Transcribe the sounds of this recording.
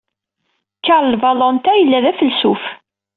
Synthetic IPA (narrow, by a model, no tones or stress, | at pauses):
kːaɾˤlvɑlɔnt̪æjəlːæðæfəlsuf